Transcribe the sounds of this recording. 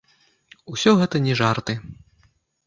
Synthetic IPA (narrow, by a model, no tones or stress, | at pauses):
usʲɔɣɛt̪ɐnʲɛʐart̪ɨ